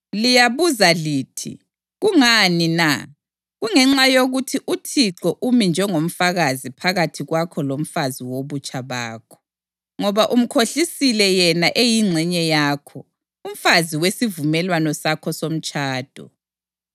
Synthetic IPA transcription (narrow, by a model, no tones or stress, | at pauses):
lijaβuzaliːtʰḭ | ɣuŋanina | ɣuŋɛŋ͡ǁajoɣutʰiʔutʰiǁɔʔumind͡ʒʱɛŋom̩faɣazipʰaɣatʰiɣwakʰɔlom̩faziwoβut͡ʃʰʼaβaːkʰɔ̥ | ŋɔβaʔum̩kʰoɬisilɛjɛnaʔejiŋ͡ǀʱɛɲɛjakʰɔ | um̩faziwesivumɛlwanɔsakʰɔsom̩t͡ʃʰʼaːd̥ʱɔ̰